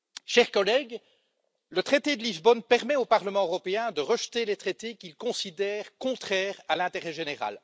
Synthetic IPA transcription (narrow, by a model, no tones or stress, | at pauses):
ʃɛʁkɔlɛːɡ | lət̪χet̪ed̪əlizbɔnpɛʁmɛopaʁləmɑ̃øʁɔpeɛ̃d̪əʁəʃt̪elet̪χet̪ekʲilkɔ̃sid̪ɛːʁkɔ̃t̪χɛːʁalɛ̃t̪eʁɛʒeneʁa̰l